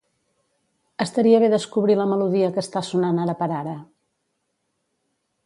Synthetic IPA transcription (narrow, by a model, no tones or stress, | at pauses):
əst̪əɾiəβeðəskuβɾiləməluðiəkəst̪asunanaɾəpəɾaɾə